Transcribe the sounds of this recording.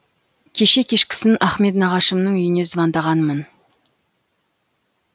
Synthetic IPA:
kʲʰe̞ʃe̞kʲʰe̞ʃkʲɪ̥sɪnæχme̞t̪nɑʁɑʃəmnəɴʏjɪne̞zvɑnd̪ɑʁɑnmən

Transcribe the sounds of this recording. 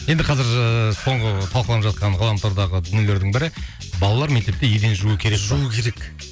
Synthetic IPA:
je̞nd̪ɪqʰɑzɪɾəso̞ɴʁət̪ʰɑlˠqəlˠɑnəpʒɑt̪̚qɑnʁɑlˠɑmt̪ʰoɾd̪ɑʁəd̪ʏnjele̞ɾd̪ɪŋbɪɾɪ | bɑlˠɑlˠɑɾme̞k̚t̪e̞p̚t̪ejed̪e̞nʒuəkʲʰeekukʲʰe̞ɾek

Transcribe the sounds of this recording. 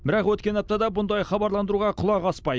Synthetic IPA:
bɪɾɑqwɵt̪kʲe̞nɑp̚t̪ɑd̪ɑbʊnd̪ɑjχɑbɑɾlˠɑnd̪əɾuʁɑqʰʊlˠɑʁɑspɑj

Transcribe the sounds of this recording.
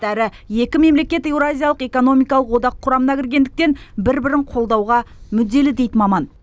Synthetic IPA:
æɾɪ | je̞kʲɪme̞mle̞kʲe̞t̪e̞wɾazʲijalˠəqe̞ko̞no̞mijkɑlˠəqwo̞d̪ɑqʰːʊɾɑmənɑkʲʰɪɾɡʲe̞nd̪ɪk̚t̪e̞nbɪɾbɪɾɪɴqʰo̞lˠd̪ɑwʁɑmʏd̪ːe̞lɪd̪e̞jd̪ɪmɑmɑn

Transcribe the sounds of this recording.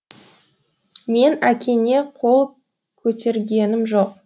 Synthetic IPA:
me̞nækʲe̞ne̞qʰo̞lˠ | kʲʰɵt̪e̞ɾɡʲe̞nɪmʒo̞q̚

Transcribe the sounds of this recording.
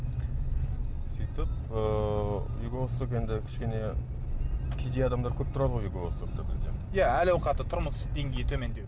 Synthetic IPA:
sijt̪əpə | uɡosuke̞nd̪ɪkʲʰɪ̥ʃkʲe̞ne̞ | kʲʰejd̪e̞jɑd̪ɑmd̪ɑɾkʲʰɵp̚t̪ʰʊɾɑd̪əʁojuɡoost̪ok̚t̪ɑbɪzɡʲejaælɑwqɑt̪ət̪ʰʊɾməsd̪e̞ŋɡʲejɪt̪ʰɵme̞nd̪e̞w

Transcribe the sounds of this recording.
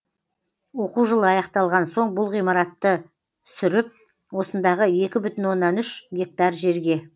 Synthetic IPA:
wo̞quʒəlˠəɑjɑqt̪ɑlˠʁɑnso̞ɴbʊlˠʁijmɑɾɑt̪ːə | sʏɾɪp̚ | wo̞sənd̪ɑʁəe̞kʲɪbʏt̪ɪnwo̞nːɑnʏʃɡʲe̞k̚t̪ɑɾʒe̞ɾɡʲe̞

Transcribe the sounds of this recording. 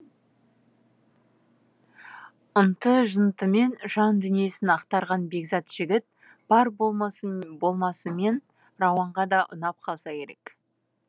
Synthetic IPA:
ənt̪əʒənt̪əme̞nʒɑnd̪ʏnije̞sɪnɑqt̪ɑɾʁɑnbe̞ɡzɑt̪ʒ̥ɪɡʲɪt̪̚ | b̥ɑɾ | bo̞lˠmɑsəme̞n | rɑwɑɴʁɑd̪ɑʔʊ̰nɑp̚qʰɑlˠsɑkʲe̞ɾe̞k

